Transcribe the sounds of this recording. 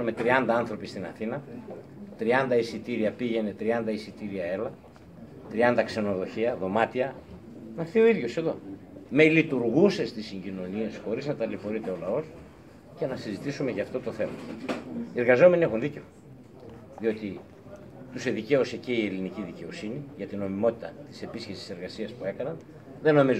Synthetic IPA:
ume̞t̪ɾiɐnd̪ɐɐnθɾo̞pist̪inɐθinɐ | t̪ɾiɐnd̪ɐisit̪iɾiɐpiʝe̞ne̞t̪ɾiɐnd̪ɐisit̪iɾiɐe̞lɐ | t̪ɾiɐnd̪ɐkse̞no̞ðo̞çiɐðo̞mɐt̪iɐ | nɐθio̞iðʝo̞se̞ðo̞̰ | melit̪uɾɣusest̪isiɲɟino̞nie̞sxo̞ɾiznɐt̪ɐlifo̞ɾit̪e̞o̞lɐo̞s | ce̞nɐsizit̪isume̞ʝɐːft̪o̞t̪o̞θe̞mɐ | ieɾɣɐzo̞menie̞xunðice̞o | ðio̞t̪i | t̪useðice̞ose̞ce̞ie̞liniciðice̞o̞siniʝɐt̪ino̞mimo̞t̪i̥t̪ɐt̪i̥se̞pisce̞si̥se̞ɾɣɐsiɐspue̞kɐnɐn | ðe̞no̞miz

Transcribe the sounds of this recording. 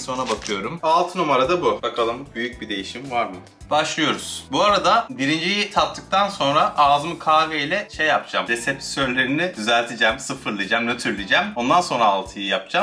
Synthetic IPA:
so̞nabakʰɯjo̞ɾumalˠt̪ʰɯnumaɾad̪abubakʰalˠɯmbyjyc̚bid̪e̞jiʃimvaɾmɯ | b̥aʃlˠɯjo̞ɾuz̥buaɾad̪abiɾind͡ʒijit̪ʰap̚t̪ʰːɯk̚t̪ʰanso̞nɾaʔaːzɯmɯkʰaːveilʲɛʃe̞jːapd͡ʒamd̪esepi̥søɾlʲe̞ɾinid̪yzælʲt̪ʰed͡ʒæmsɯfɯɾlˠɯd͡ʒɛmnøt̪ʰyɾlʲid͡ʒæmo̞nd̪anso̞nɾaːlˠt̪ʰɯjɯjap̚d͡ʒam

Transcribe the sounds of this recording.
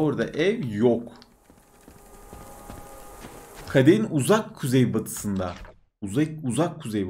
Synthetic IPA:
oɾd̪a̰ʔɛvjok | kʰad̪einuzakʰːuzejbat̪ʰɯ̥sɯnd̪a | uauzakʰːuzejb

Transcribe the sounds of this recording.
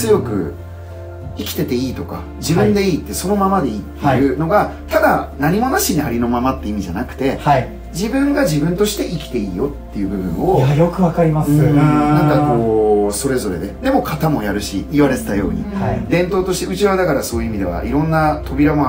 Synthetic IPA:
t͡sɨjo̞kɯ̟̰ | ikʲi̥t̪e̞t̪e̞iːt̪o̞ka̰ | d͡ʑibɯ̟̃nd̪e̞iːt̪ːeso̞no̞mamad̪e̞iːt̪ːejɯ̟no̞ɡa | t̪ad̪anaɲ̟imo̞naɕiɲ̟iaɾʲino̞mamat̪ːe̞imʲiʑanakɯ̟̥t̪e̞ai | d͡ʑibɯ̟̃ŋɡaʑibɯ̟̃nt̪o̞ɕi̥t̪e̞ʔikʲi̥t̪e̞iːjo̞t̪ːe̞jɯ̟bɯ̟bɯ̟̰̃ɰ̃o̞ajokɯ̟βakaɾʲimasɯ̃nãŋkakoːso̞ɾe̞zo̞ɾe̞̰d̪e̞d̪e̞mo̞kʰat̪amo̞jaɾɯ̟ɕḭːβaɾe̞t̪et̪ajo̞ːɲ̟ḭad̪ẽ̞nt̪o̞ːt̪o̞ɕi̥t̪e̞ɯ̟t͡ɕiɾβad̪akaɾaso̞ːjɯ̟imʲid̪e̞βa̰ʔiɾõ̞nːat̪ʰo̞bʲiɾamo

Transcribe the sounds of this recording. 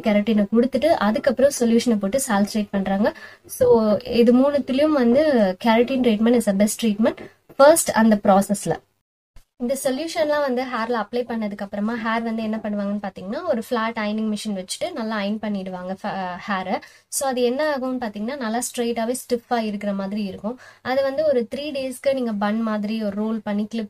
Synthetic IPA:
kaːɾɐʈːiːnɐkɔɽɯt̪ːɯʈːɯʔɐðɯkːɐpːɯɾɔ̃sɔljuːʂɐnepoːʈːɯsaːlsʈɾeːʈ̚pɐɳːɾaːŋɡɐsoːɪðɯmuːɳɐt̪ːɪlɪjʊ̃mʋɐnd̪ɯkaɾɐʈinʈɾiːʈmɛ̃ɳʈɪsɐbɛsʈɾiːʈmɛɳʈ | fɐɾsʈɐ̰nd̪ɐpɾoːsɛslɐ̰ | ɪnd̪ɐsɔljuːʂɐnlãːʋɐnd̪ɯɦaːɾlɐɐplɐɪpɐɳːɐðɯkːɐpːɯɾɐmaːɦaːɾʋɐnd̪ɯɛnːɐpɐɳːɯʋaːŋɡɐnːɯpaːɾt̪iːŋɡɐnːaːɔɾɯflaːʈɐɪnɪ̃ŋɡmɪʂɐnʋɛt͡ʃːɯ̥ʈːɯnɐlːaɐɪnpɐɳːɪɽɯʋaːŋɡɐfhaːɾɐ | soːɐðɯɛnːɐaːɣɯmːɯpaːɾt̪iːŋɡɐnːaːnɐlːaːsʈɾeːʈaːʋeːsʈɪfːaːɪɾɯkːɪɾɐmaːðɪɾiɪɾɯkːʊ̃ɐðɯʋɐnd̪ɯɔɾɯt̪ɪɾiːɖeːskɯniːŋɡɐbɐɳmaːðɪɾiɔɾɯɾoːlpɐɳːiklɪp̚

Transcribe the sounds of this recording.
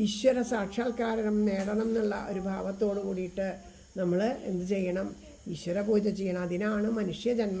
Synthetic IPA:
iɕwɐɾɐsaːkʂaːlkaːɾɐnɐmne̞ːɽɐɳɐmnːiɭːɐ̰ʔo̞̰ɾubʱaːʋɐt̪ːo̞ːɽɨkuːɽijiʈːɨ | nɐmːɐɭɨe̞̰nd̪ɨt͡ɕe̞jːɐɳɐm | iɕwɐɾɐboːd͡ʑɐt͡ɕejːɐɳɐmɐðinaːɳɨmɐnuʂjɐd͡ʑɐnmɐ

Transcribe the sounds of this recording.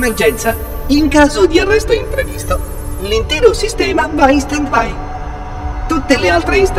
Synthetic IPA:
merd͡ʒɛnt̪sa | iŋkaːzod̪iarːɛst̪oimpɾevist̪o | lint̪ɛːɾosist̪ɛːmavaist̪ant̪baj | t̪ut̪ːelealt̪ɾeist̪

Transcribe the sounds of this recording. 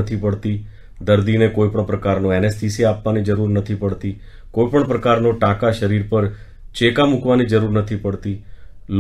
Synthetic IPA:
ət̪ʰipəɭt̪i | d̪əɾd̪inekojpəɳpɾəkaɾnoɛnesʈisiapʋanid͡ʒəɾuɾnət̪ʰipəɽt̪i | koipəɳpɾəkaɾnoʈãkaʃəɾiɾpəɾ | t͡ʃekamũkʋanid͡ʒəɾuɾnət̪ʰipəɽt̪il

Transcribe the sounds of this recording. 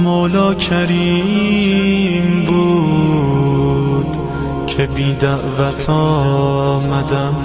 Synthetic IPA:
moːlɒːcʰæɾiː | mbuː | d̪ | cʰebiːd̪æʔvæt̪ʰɒː | mæd̪æm

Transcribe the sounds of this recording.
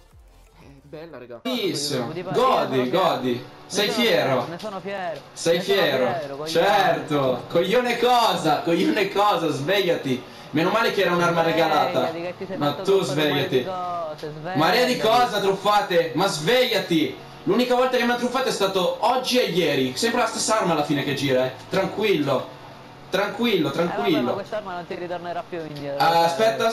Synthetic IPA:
isɡɔd̪iɡɔd̪isɛjfjɛːɾo | sɛjfjɛːɾo̰t͡ʃɛrt̪okoʎːonekɔːzakoʎːonekɔːzazvɛʎːat̪i | menomaːlek̟ɛːɾaunarmaɾeɡalaːt̪amat̪uzvɛʎːat̪i | maɾiːad̪ikɔːzat̪ɾufːaːt̪emazveʎːat̪i | lunikavɔlt̪akemat̪ːɾufːaːt̪oɛst̪aːt̪oɔd͡ʒːiejːɛːɾisɛmpɾelast̪esːaarmaːlːafiːnek̟ed͡ʒiːɾaɛt̪ɾaŋkwilːo | t̪ɾaŋkwilːot̪ɾaŋkwilːo̰ | aspɛt̪ːa

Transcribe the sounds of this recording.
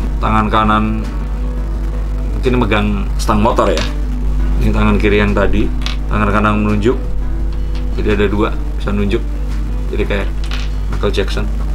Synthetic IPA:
t̪aŋankanan | ut̪iniməɡaŋ | sə̥t̪aŋmot̪ɔrja | init̪aŋankiɾijaŋt̪adi | t̪aŋankananmənuɲd͡ʒʊk̚ | d͡ʒadiadadua | b̥isanuɲd͡ʒʊk̚ | d͡ʒadikaja | makəld͡ʒɛksɔn

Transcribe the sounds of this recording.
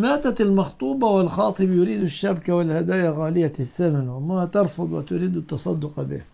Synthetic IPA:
maːt̪at̪ɪlmɑxt̪ˤuːbɑwɪlxɑːt̪ˤɨbjʊɾiːd̪ʊʃːabkawɪlhad̪aːjaɣaːlɪjːaθːamanʔʊmːahat̪ɑɾˤfʊd̪ˤwɪ̰t̪ʊɾiːd̪ʊt̪ːɑsˤɑd̪ːʊqbḭːh

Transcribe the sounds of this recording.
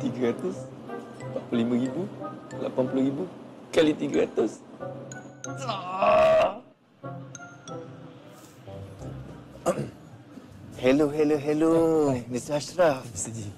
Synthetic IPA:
t̪iɡəɾat̪ʊs | paʔplolimə̃ɾibula̰panpuluɾibukalit̪iɡəɾat̪ʊs | sa | hɛloɦɛloɦɛlonisasɾaf

